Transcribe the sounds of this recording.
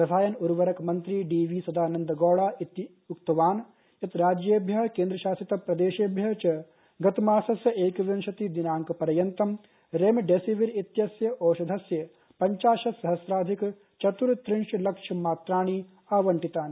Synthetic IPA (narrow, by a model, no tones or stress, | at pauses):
pɾɐsaːjɐnuɾʋɐɾɐkmɐnt̪ɾiɖiːʋiːsɐd̪ʱaːnɐnd̪ɐɡoːɽaːit̪ | ukt̪ɐʋaːn | ɐt̪ɾaːd͡ʒjeːbʱjɐɦkẽːnd̪ɾɐʃaːsɾit̪ɐpɾɐd̪eːʃeːbʱjɐt͡ʃɐ | ɡɐt̪maːsɐsjɐʔeːkʋɐnʃɐt̪id̪inaːŋkɐpɐɾɐjɐnt̪ɐm | ɾeːmɖeːsiʋiɾit̪jɐsjɐʔoːʃɐd̪ʱɐsjɐ | pɐɲt͡ʃaːʃɐsɐɦɐsɾaːd̪ʱik | t͡ʃɐt̪uɾt̪ɾɪɳʃɐlɐkʂʰɐmaːt̪ɾaːɳ̃i | aːʋɐɳʈit̪aːn